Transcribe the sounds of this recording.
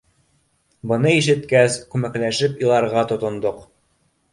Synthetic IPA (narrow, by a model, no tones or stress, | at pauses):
bɤ̆nɤiʃɘ̆t̪kæskʉmæklæʃɘpilˠɑɾʁɑt̪ŏt̪ŏnd̪oq